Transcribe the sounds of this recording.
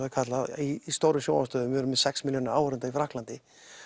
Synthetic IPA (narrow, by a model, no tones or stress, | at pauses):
kʰat̪laiːst̪owɾʏmjoːwast̪œːðʏmvɪɛɾʏmːɛ̥sɛksmiljoːnaɾaːwɾʏnt̪aifɾahklant̪ɪ